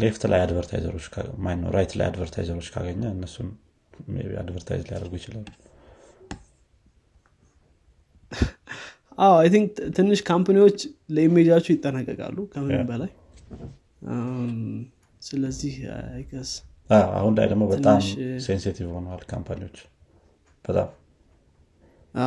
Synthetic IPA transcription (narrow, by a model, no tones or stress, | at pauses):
left̪la̰jad̪vəɾt̪ʰa̰jzə̰ɾo̞t͡ʃːkʰamajnnːə̰wɾajt̪la̰ja̰d̪vəɾt̪ʰa̰jzəɾo̞t͡ʃːkʰaɡəɲːəɨnːəsun | ḛa̰d̪vəɾt̪ʰa̰jzlaja̰d̪əɾɡujɪt͡ʃɪlalu | ʔawajt̪ʰiŋk̚t̪ʰɨnːɨʃkʰampaniwo̞t͡ʃːləimːed͡ʒawt͡ʃːujɪt̪ʼːənakʼːəkʼa̰lːukʰəmɨbəlaj | sɨləzːihajɡəz̥ | aa̰hunda̰jd̪əɡmobət̪ʼammsenset̪ʰivho̞nəwalkʰampʰaniwo̞t͡ʃː | b̥ət̪ʼa̰m | ʔa